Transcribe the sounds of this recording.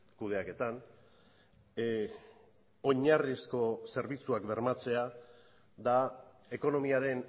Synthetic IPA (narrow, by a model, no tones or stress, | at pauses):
kuð̞e̞ake̞t̪an | o̞ɲarisko̞se̞ɾβ̞it͡suakbe̞ɾmat͡se̞a | d̪a | e̞ko̞no̞miaɾe̞n